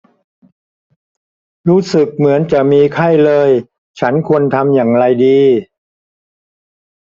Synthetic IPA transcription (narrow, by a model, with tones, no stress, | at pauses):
ɾuː˦˥sɯ˨˩k̚mɯ˩˦ənt͡ɕa˨˩miː˧kʰa˥˩jlɤː˧j | t͡ɕʰa˦˥nkʰu˧ənt̪ʰa˧mjaː˨˩ŋɾa˧jdiː˧